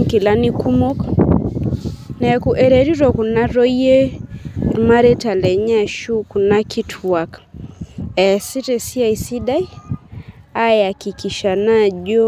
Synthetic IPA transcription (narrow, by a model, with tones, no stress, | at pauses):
ki˨la˦ni˦ku˦mɔ˦k | na˨a˨ku˨ʔɛ˨ɾɛ˨ɾi˦ɾɔ˨ku˨na˦ɾɔ˦i˦ɛ˦ | ma˦ɾɛ˦ta˨lɛ˨ɲa˦ʃu˦ku˨na˦kʰi˦tʰwa˨k | ɛ˨si˦tɛ˨si˦a˨i˨si˦ɗda˦i˦ | a˦ɛa˨ki˨ki˨ʃa˨na˦ʄɔ˦